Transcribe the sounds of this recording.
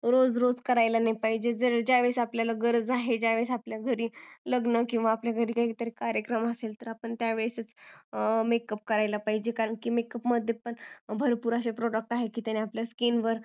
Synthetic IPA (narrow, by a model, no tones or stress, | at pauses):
ɾod͡zɾod͡zkəɾajlanajpaɦid͡ʑed͡zəɾɭd͡ʑaʋesapljalaɡəɾd͡zaɦed͡ʑaʋesapljaɡʱəɾiːləɡnəkĩw̃ʋaːpljaɡʱəɾiːkaɦit̪əɾekaɾjəkɾəməselt̪əɾapəɳt̪jaʋeɭsət͡s | mekəp̚kəɾajlapaɦid͡ʑekaɾəɳkiːmekəpməd̪ʱːjepəɳbʱəɾpuɾaɕepɾoɽək̚ʈaɦekiːt̪janeapljaskinʋəɾ